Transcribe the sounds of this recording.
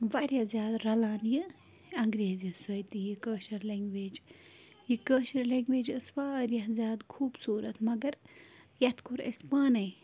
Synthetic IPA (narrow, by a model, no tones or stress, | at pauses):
ʋɐɾjazʲjaːd̪ɾɐlaːnjɨ | ɐŋɡɾeːzisɐjt̪ijikəːʃɐɾleŋɡʋeːd͡ʒ | jikəːʃɐɾleŋɡʋeːd͡ʒɨsʋaːɾjɐɦzjaːd̪kʰuːbsuːɾɐt̪mɐɡɐɾjɐt̪kʰuɾɐ̰spaːnɐj